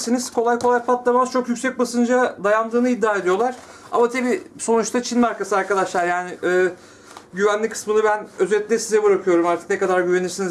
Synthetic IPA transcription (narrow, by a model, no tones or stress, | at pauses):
siniz̥kʰo̞lˠajkʰo̞lˠajpat̪lˠamaz̥t͡ʃʰo̞kjycʲsɛc̚basɯnd͡ʒad̪ajand̪ɯːnɯid̪ːaːe̞d̪ijo̞lˠaɾ̥ | a̰mat̪ʰabiso̞nut͡ʃt̪ʰat͡ʃʰinmaɾkasɯaɾkad̪aʃlˠaɾjaːnɪʔɛː | ɟyvænlʲikʰɯ̥smɯnɯbænøzɛt̪ʲlʲɛsizɛbɯɾakʰɯjo̞ɾumaɾt̪ʰɯ̥knɛkad̪aɾɟyve̞niɾsiniz